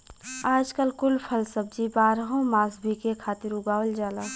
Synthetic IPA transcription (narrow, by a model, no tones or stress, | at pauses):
aːd͡ʒkəlkʊlpʰəlsəb̚d͡ʒibaːɾɦõmaːsbʱikekʰaːt̪ɪɾʊɡaːʋəld͡ʒaːlaː